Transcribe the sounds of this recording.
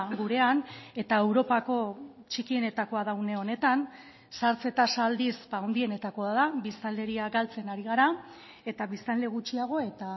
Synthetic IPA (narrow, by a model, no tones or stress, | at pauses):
ɡuɾe̞ane̞t̪ae̞wɾo̞pako̞t͡ʃikie̞ne̞t̪ako̞að̞awne̞o̞ne̞t̪an | saɾt͡se̞t̪asald̪isbaːwnd̪ie̞ne̞t̪ako̞aðabist̪ald̪e̞ɾiaɡalt͡se̞naɾiɣ̞aɾa | e̞t̪aβist̪anld̪e̞ɣ̞ut͡ʃiaɣ̞o̞e̞t̪a